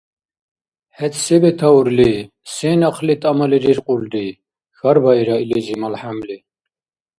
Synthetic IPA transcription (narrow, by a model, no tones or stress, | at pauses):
hɛt̪ʰsɛbɛt̪ʰauɾli | sɛːnɑχʰlit̪ʼamaliɾiɾqʼuld̪i | xaɾbaiɾailizimalħamli